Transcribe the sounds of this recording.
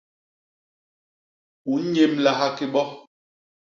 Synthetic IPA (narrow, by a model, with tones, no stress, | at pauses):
u˨˦ɲe˦mla˨ɦa˦ki˦ɓɔ˦